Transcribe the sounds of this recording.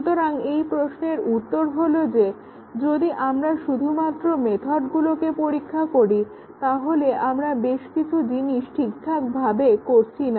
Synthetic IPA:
ut̪oɾaŋejpɾosneɾut̪ːoɾɦolod͡ʑe | d͡ʑod̪iʔamɾaʃud̪ʱumat̪ːɾomet̪ʰɔʈɡulokepoɾikʰːakoɾi | t̪aɦoleʔamɾabeʃkit͡ɕʰud͡ʑiniʃʈʰikt̪ʰːak̚bʱabekoɾt͡ɕʰina

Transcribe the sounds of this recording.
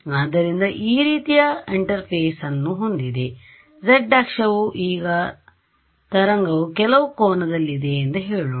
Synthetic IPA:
aːd̪ːɐɾind̪ɐʔiːɾiːt̪ijɐiɳʈɐɾpʰeːsɐnːuɦond̪id̪e̞ | d͡ʒɐɖːaːkʂɐʋuʔiːɡɐ | t̪ɐɾɐŋɡɐʋukɛlɐʋukɔːnɐd̪ɐlːid̪eːnt̪ɐɦeːɭu

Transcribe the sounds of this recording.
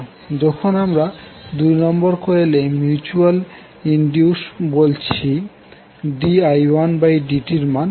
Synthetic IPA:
d͡ʑɔkʰonamɾad̪ujnɔmboɾkoelemjut͡ɕual | iɳɖijuʃbolt͡ɕʰi | ɖiajwanbajɖiʈiɾman

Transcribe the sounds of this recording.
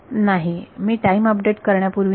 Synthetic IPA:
naɦimiːʈaiməpɖeʈkəɾɳjapuɾʋi

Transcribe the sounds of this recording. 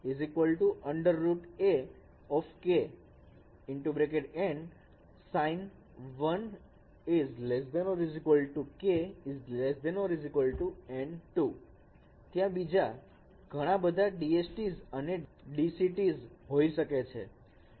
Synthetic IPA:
izikʋəlʈuʔəɳɖəɾːuʈe | ɔfke | ɪɳʈubɾekeɖɛ̃ɳɖ | sain | ʋən | izles̬d̪ɛ̃nɔɾizikʋəlʈukeizlesd̪ɛnoɾizikʋəlʈuɛ̃ɳɖʈu | t̪jãbid͡ʒa | ɡʱəɽ̃abəd̪ʱaɖiet͡ʃʈizəneɖisiʈizɦoiʃəket͡ʃʰḛ

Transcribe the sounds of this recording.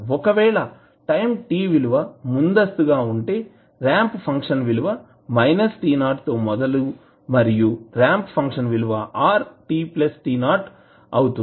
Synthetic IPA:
ɔkɐʋɛːɭɐ | ʈɐjmʈiːʋiluʋɐmund̪ɐst̪uɡaːuɳʈe̞ː | ɾaːmppʰɐŋkʂɐnʋiluʋɐ | mɐjnɐsʈiːnaːɾʈt̪oːmɔd̪ɐlu | mɐɾijuɾaːmppʰɐŋkʂɐnʋiluʋɐʔaːɾʈiːplɐsʈiːnaːɾʈ | ɐwut̪u

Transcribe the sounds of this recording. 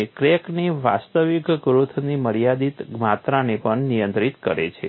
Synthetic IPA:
kɾekniʋa̰st̪əʋikɡɾut̪ʰniməɾijad̪it̪mat̪ɾanepəɳnijənt̪ɾit̪kəɾḛt͡ʃʰe

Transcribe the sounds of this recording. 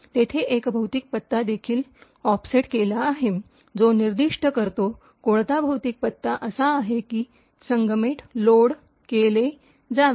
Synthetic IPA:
t̪et̪ʰeʔekbʱəwt̪ik̚pət̪ːad̪ekʰiːl | ɔfseʈkelaːɦe | d͡zoniɾd̪iʂʈəkəɾt̪o | koɽt̪abʱəwt̪ik̚pət̪ːaʔəsaːɦekiː | səŋɡəmeʈloɽ | kele | d͡zaʋ

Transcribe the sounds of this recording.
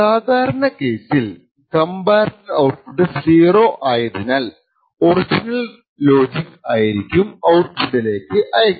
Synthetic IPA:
saːd̪ʱaːɾɐɳɐke̞ːsil | kɐmbaːrkɨɐwʈfuɖɨsiːroːʔaːjɐðinaːl | o̞rid͡ʑinɐl | lo̞ːd͡ʑikaːjiɾikʲːumɐwrfuɖile̞ːkːɨʔɐjɐkː

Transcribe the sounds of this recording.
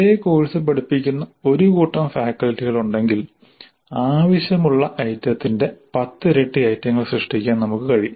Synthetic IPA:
ejeko̞ːɻisɨpɐɽipːikʲːunːɐo̞ɾukuːʈːɐmfaːkːɐltːiɣɐɭuɳɖe̞ŋɡil | aːʋɐɕjɐmuɭːɐʔɐjtjɐt̪ːinde̞pɐt̪ːɨɾe̞ʈːɨɐjt̪ːjɐŋːɐɭsrɨʂʈikʲːaːnnɐmukːɨkɐɻiju

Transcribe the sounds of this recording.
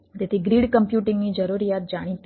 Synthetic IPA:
t̪et̪ʰiɡɾiːɖkəmpjuːʈɪŋɡnid͡ʒəɾuɾijat̪̚d͡ʒaɽ̃it̪

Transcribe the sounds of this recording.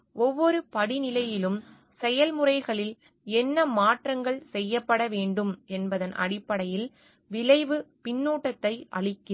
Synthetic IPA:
ɔʋːɔɾɯpɐɽɪnɪlɐjɪlɯm | sɛjɐlmɯrɐɪɣɐɭɪl | ɛnːɐmaːʈrɐŋɡɐɭsɛjːɐpːɐɽɐʋeːɳɖɯmɛnbɐðɐnʔɐ̰ɽɪpːɐɽɐjɪl | ʋɪlɐɪʋɯpɪnːuːʈːɐt̪ːɐɪʔɐ̰ɭɪkːɪ

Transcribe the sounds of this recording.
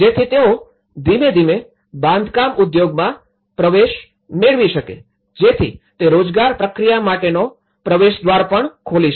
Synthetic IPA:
d͡ʒet̪ʰit̪eo | d̪imed̪ime | bãnd̪kamʊd̪joɡmã | pɾəʋeʃ | meɭʋiʃəkḛ | d͡ʒet̪ʰḭt̪eɾod͡ʒɡaɾpɾəkɾijamaʈeno | pɾəʋeʃd̪ʋaɾpəɳkʰoliʃ

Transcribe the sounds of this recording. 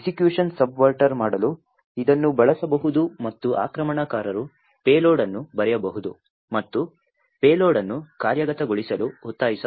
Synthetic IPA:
sikjuːʂɐnsɐbʋɐɾʈɐɾmaːɽɐlu | id̪ɐnːubɐɭɐsɐbɐɦud̪umɐt̪ːuʔa̰ːkɾɐmɐɳɐkaːɾɐɾu | peːloːɖɐnːubɐɾɛjɐbɐɦud̪ṵ | mɐt̪ːu | peːloːɽɐnːukaːɾjɐɡɐt̪ɐɡoɭisɐluut̪ːaːjisɐ

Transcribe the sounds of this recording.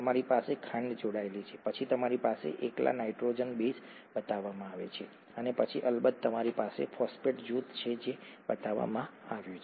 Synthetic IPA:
əmaɾipasekʰə̃ɳd̪d͡ʒoɽaelit͡ʃʰepət͡ʃʰit̪əmaɾipasḛʔekla̰naiʈɾod͡ʒənbes | bət̪aʋamãaʋḛt͡ʃʰe | ənepət͡ʃʰiʔəlbəd̪̚t̪əmaɾipasḛfɔspeʈd͡ʒut̪t͡ʃʰed͡ʒebət̪aʋːa̰mãaʋjũt͡ʃʰe

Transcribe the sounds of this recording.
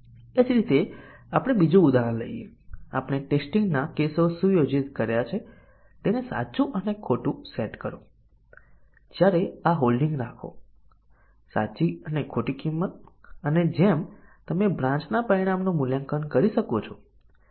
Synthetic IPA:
ed͡ʒɾit̪eapəɽ̃ebid͡ʒũud̪aələ̰ijḛa̰pɽ̃eʈesʈiŋɡnakesoʃũjod͡ʒit̪kəɾjat͡ʃʰe | t̪enesa̰t͡ʃũʔənekʰoʈũseʈkəɾõ | d͡ʒjaɾeaɦolɖiŋɡnakʰo̰ | sa̰t͡ʃiənekʰoʈikimːət̪̚əned͡ʒemt̪əmebɾãt͡ʃnapəɾiɽ̃amnumuljãŋkənkəɾiʃəkot͡ʃʰo

